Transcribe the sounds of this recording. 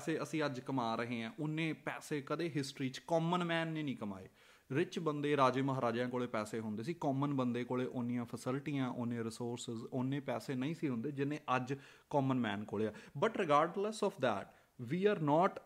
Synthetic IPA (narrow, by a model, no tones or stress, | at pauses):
seːəsĩːəd͡ʒkəmaːɾəɦẽːãːʔʊnːẽːpɛːseːkəd̪eːɦɪsʈɾiːt͡ʃkɔːmənmɛːnːẽːnĩːkəma̰ːḛː | ɾɪt͡ʃbənd̪eːɾaːd͡ʒeːməɦaːɾaːd͡ʒãːkoːɭeːpɛːseːɦʊ̃nd̪eːsiːkɔːmənbənd̪eːkoːɭeːʔʊnijãːpʰəsɪlʈiːãːʔoːniãːɾɪsoːɾsɪzoːnːẽːpɛːseːnəĩːsiːɦʊ̃nd̪eːd͡ʒɪnːẽːʔəd͡ʒ | kɔːmənmɛːnkoːɭejaːbəʈɾɪɡaːɾɖləsɔːfd̪ɛ̰ːʈ | ʋiːaːɾnɔːʈ